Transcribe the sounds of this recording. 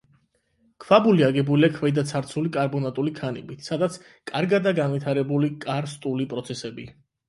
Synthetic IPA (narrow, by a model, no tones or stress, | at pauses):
kʰvabuliaɡɛbuliakʰvɛd̪at̪sʰaɾt̪sʰulikʼaɾbɔnat̪ʼulikʰanḭbit̪ʰsad̪at̪sʰ | kʼaɾɡad̪aɡanvit̪ʰaɾɛbulikʼaɾst̪ʼulipʼɾɔt̪sʰɛsɛbḭ